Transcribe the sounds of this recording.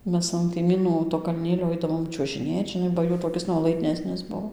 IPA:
ˈmʲɛs ɐn kɐɪˈmʲiːnuː toː kɐlʲˈnʲeːlʲoː ˈɐɪdɐʋoːm t͡ʃʲuɔʒʲɪˈnʲeːt ʒʲɪˈnɐɪ bɐ ˈjuː toːˈkʲɪs nuɔlˠɐɪdʲˈnʲæːsʲnʲɪs ˈbuɔ

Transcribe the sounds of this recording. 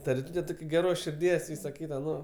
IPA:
tɐ rʲɪˈtuːtʲɛ ˈtoːkʲ ɡʲɛˈroːs ʃʲɪrʲˈdʲiɛs ˈʋʲiːsɐ ˈkʲiːtɐ ˈnoː

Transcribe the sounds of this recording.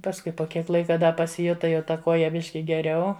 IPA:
pɐsˈkʊɪ poː ˈkʲiɛk ˈlˠɐɪkɐ dɐ pɐsʲɪˈjʊtɐ jɛʊ tɐ ˈkuɔjɛ ˈbʲɪʃʲkʲɪ ɡʲɛˈrʲɛʊ

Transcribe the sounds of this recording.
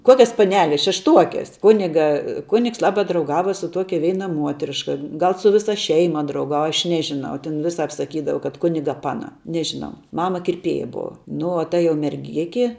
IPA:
ˈkuɔkʲɛs pɐˈnʲæːlʲɛs ʃʲɛʃˈtuɔkʲɛs ˈkʊnʲɪɡɐ ˈkʊnʲɪks lˠˈɑːbɐ drɐʊˈɡɑːʋɐ sʊ ˈtuɔkʲɛ ˈʋʲɛɪnɐ ˈmuɔtʲrʲɪʃkɐ ˈɡɐlˠ sʊ ˈʋʲɪsɐ ˈʃʲɛɪmɐ drɐʊˈɡɑːʋɐ ɐʃ ˈnʲæːʒʲɪˌnɐʊ tʲɛn ˈʋʲɪˌsɐp sɐˈkʲiːdɐʋɐ kɐt ˈkʊnʲɪɡɐ ˈpɑːnɐ ˈnʲæːʒʲɪˌnɐʊ ˈmɑːmɐ kʲɪrʲˈpʲeːjɛ ˈbʊʋɐ ˈnʊ oː tɐ jɛʊ mʲɛrʲˈɡʲɪkʲɪ

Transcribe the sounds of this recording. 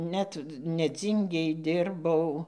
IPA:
ˈnʲɛt nʲɛˈd͡zʲiːŋʲɡʲeːj ˈdʲɪrbɐʊ

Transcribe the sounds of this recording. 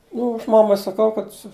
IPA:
ˈnʊ ˈɐʃ ˈmɑːmɐɪ sɐˈkɐʊ kɐt sʊ

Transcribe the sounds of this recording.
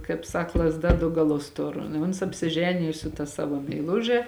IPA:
kɐɪp ˈsɐk lˠɐzˈdɐ dʊ ɡɐˈlˠʊs ˈtʊr ɪ ˈʊns ɐpʲsʲɪˈʒʲæːnʲɪjʊ sʊ tɐ ˈsɑːʋoː mʲɛɪˈlˠʊʒʲɛ

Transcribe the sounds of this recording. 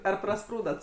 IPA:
ˈɐr prɐˈspruːdɐt

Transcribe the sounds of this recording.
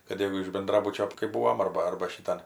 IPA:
kɐt ˈjɛʊ ɪʃ bʲɛnˈdrɑːbʊt͡ʃʲoː kɐɪ ˈbuːʋoːm ˈɐrbɐ ˈɐrbɐ ʃʲɪˈtɐn

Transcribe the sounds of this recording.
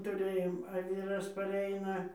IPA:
tʊˈrɘjoːm ɐ ˈʋʲiːrɐs pɐˈrʲɛɪnɐ

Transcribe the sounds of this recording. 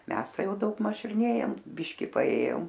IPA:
ˈmʲɛs ˈtɐɪ ˈjɛʊ dɐʊɡˈmɐʃ ɪr ˈnʲeːjoːm ˈbʲɪʃʲkʲɪ pɐˈeːjoːm

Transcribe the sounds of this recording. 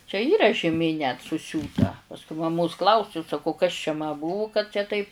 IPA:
t͡ʃʲɛ ˈiːrɐ ʒʲɪˈmʲeː nʲɛt sʊˈsʲuːtɐ pɐsˈkʊɪ mɐˈmoːs klˠɐʊˈsʲʊ sɐˈkɐʊ kɐs t͡ʃʲɛ mɐ ˈbʊʋʊ kɐt t͡ʃʲɛ ˈtɐɪp

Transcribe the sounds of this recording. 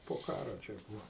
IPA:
poː ˈkɑːroː ˈt͡ʃʲɛ ˈbuːɐ

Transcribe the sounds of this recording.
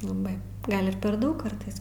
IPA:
lˠɐˈbɐɪ ˈɡɐlʲ ɪr pʲɛr ˈdɐʊk ˈkɐrtɐɪs

